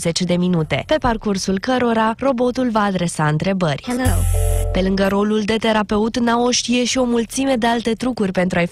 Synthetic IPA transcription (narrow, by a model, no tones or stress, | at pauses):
ze̞t͡ʃd̪e̞minut̪e̞pe̞parkursulkəɾo̞ɾaro̞bo̞t̪ulvaːd̪ɾe̞saɨnt̪ɾe̞bərʲ | pe̞lɨŋɡəɾo̞luld̪e̞t̪e̞ɾape̞ut̪nao̞ʃt̪ije̞ʃio̞mult̪sime̞d̪e̞alt̪e̞t̪ɾukurʲpe̞nt̪ɾuaj